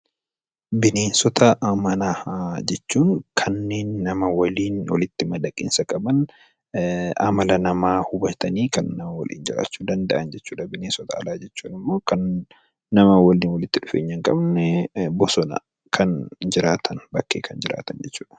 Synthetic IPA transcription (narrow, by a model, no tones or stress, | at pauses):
bɪne̞ːnsɔt̪ʰɐʔɐmɐnaːd͡ʒɛt͡ʃːuːŋkʰɐnːe̞ːnːɐmɐwɐliːnwɐlɪt̪ːɪmɐd̪ɐkʼḭnsɐkʼɐbɐn | ɐ̰mɐlɐnɐmaːhʊbɐt̪ɐniːkɐnːɐmɐwɐ̰lʔḭːnd͡ʒɪɾa̰ːt͡ʃːuːd̪ɐnd̪ɐʔɐnd͡ʒɛt͡ʃːuːᶑɐbɪneːnsɔt̪ɐɐ̰laːd͡ʒɛt͡ʃːuːnɪmːo̞ːkɐnː | ɐmɐwɐliːnwɐlɪt̪ːɪᶑʊfeːɲːɐŋkʼɐbnɛbɔsɔnɐ̰ | kʰɐnd͡ʒɪɾaːt̪ʰɐnbɐkːḛːkʰɐnd͡ʒɪɾa̰ːt̪ɐnd͡ʒɛt͡ʃːuːᶑɐ̥